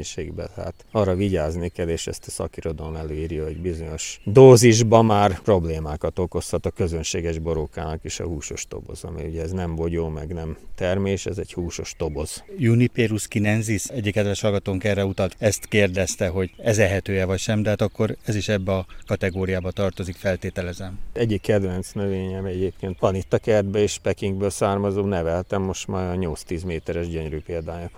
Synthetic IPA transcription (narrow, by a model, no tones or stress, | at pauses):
ʃeːɡbɛ̰lha̰ːt̪ɒrːɒviɟaːznikɛleːʃɛ̰st̪ɒsɒ̰kiɾo̞d̪ɒlomɛløːiːɾjɒho̞ɟbizo̞ɲo̞ʃd̪oːziʒbɒmaːrpro̞bleːmaːkɒt̪o̞ko̞shɒt̪ɒkøzønʃeːɡɛʒbo̞ɾokaːnɒkeʃɒ̰huːʃo̞ʃt̪o̞̰bo̞̰zɒ̰mḭuɟɛɛznɛmvoɟoːmɛɡnɛmt̪ɛrmeːʃɛzɛɟhuːʃo̞ʃt̪o̞bo̞z̥junipeːɾuskinɛnzisɛɟːikːɛd̪vɛʃhɒlɡɒt̪oːŋkɛrːɛut̪ɒlt̪ɛst̪keːrd̪ɛst̪ɛɦo̞ɟɛzɛɦɛt̪øːɛvɒcʃɛmd̪ɛɦaːt̪ɒkːo̞ɾɛziʃɛbːɛɒkɒt̪ɛɡoːɾijaːbɒt̪ɒrt̪o̞zikfɛlt̪eːt̪ɛlɛzɛmɛɟikːɛd̪vɛnt̪snøveːɲɛmɛɟeːpkeːnt̪ɒnit̪ːɒkɛrd̪̚bɛeːʃpɛkiŋɡbøːlsaːrmɒzoːnɛvɛlt̪ɛmːo̞ʃt̪maːɾɒɲo̞lst̪iːzmeːt̪ɛɾɛʒɟøɲɾyːpeːld̪aːjɒ